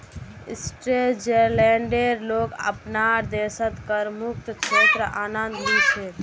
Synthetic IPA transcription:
isʈɾeld͡ʒeɾleɳɖeɾloɡə̰pnaɾd̪esət̪kəɾmuk̚t̪t͡ʃʰet̪ɾəanənd̪lise

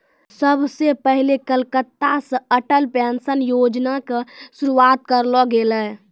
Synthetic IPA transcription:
səbʱsepəɦilekəlkət̪ːasə̃əʈəlpɛnsənjod͡ʒnakesuɾuat̪̚kəɾlɔɡelɛ

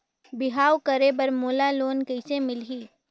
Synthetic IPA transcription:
bɪɦaːwkəɾebəɾmoːlaloːnkəɪsemɪlɦiː

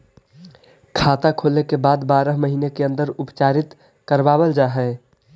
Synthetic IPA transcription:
kʰaːt̪akʰoːlekebaːd̪baːɾəɦməɦiːnekeə̃nd̪əɾʊpt͡ʃaːɾɪt̪ | kəɾbaːbəld͡ʒaːɦɛ

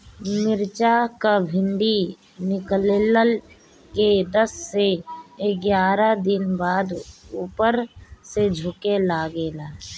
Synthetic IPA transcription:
mɪɾt͡ʃakabʱɪ̃ɳɖi | nɪklːləl | ked̪əsːeɡjaːɾad̪ɪnbaːd̪uːpəɾsed͡ʒʱʊkelaːɡeːlaː

